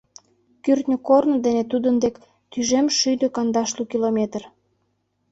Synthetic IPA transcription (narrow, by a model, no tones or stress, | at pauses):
kyrt̪nʲəkornəd̪enet̪ud̪ənd̪ek | t̪yʒemʃyd̪økɑnd̪ɑʃlukilomʲet̪ər